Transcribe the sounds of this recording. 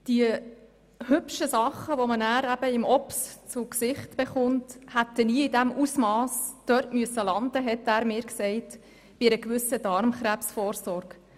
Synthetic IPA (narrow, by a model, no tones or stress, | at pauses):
d̥iə | hʏpʃəsɑχːəʋɔmənæːɾæb̥əɪmɔpst͡sʊksɪχtb̥eχʊnthæt̪ːəniːɪdæmusmɑːsd̥œɾtmyəsːəlɑnd̪əɦɛtæːɾmɪːɾksɛɪt | v̥iɾəkʋʏsːədɑɾmχɾæpsfɔːɾsɔɾɡ